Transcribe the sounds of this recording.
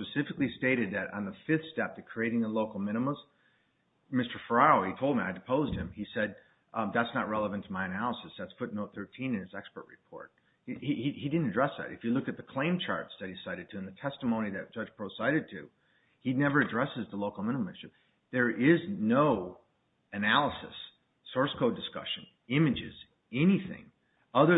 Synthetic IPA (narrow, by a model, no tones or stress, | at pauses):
spɨsɪfɨklisteɪɾɨd̪̚ðɨɾn̩ðəfɪθstɛp̚ðɨ̥kʰɹ̥ieɪɾɪ̃ŋðəloʊkl̩ˠmɪ̃ɾ̃əməz | mɪstə˞fə˞ɑoʊitʰoʊlˠdmiaɪdɨpʰoʊzd̚ɨ̃misɛd̪̚ | ðætsnət̚ɹɛlˠəvɨ̃ntʰəmaɪɨnælˠəsɨsðætsfʊtⁿnoʊt̪̚θɜ˞tʰĩnɨ̃nɨzɛkspə˞ʔ̚ɹɨpʰɔ̰ɹt̚ | ihiihidɪdⁿn̩tɨdɹɛsðæ̰ɾɨfjɨlʊkɨt̪̚ðɨkʰl̥ẽɪ̃mt͡ʃʰɑ̰ɹtsðɨt̚hidɨsaɪɾɨd̚tʰɨɨ̃nðɨtʰɛstəmõʊ̃niðɨt̚d̥ʒ̥ʌd͡ʒ̥pʰɹ̥oʊsaɪɾɨd̚tʰʉ | inɛvə˞ɨdɹɛsɨzðəloʊkl̩ˠmɛ̃ñlmɨ̃nʃɨp̚ | ðə˞ʔɪznoʊ | ɨnælˠəsɨ̰sː | ɔɹskʰoʊdɨskʌ̰ʃɨ̃n | ɪ̃mɨd͡ʒɪ̰z̥ | ɛniθɪ̰̃ŋ | ʌðə˞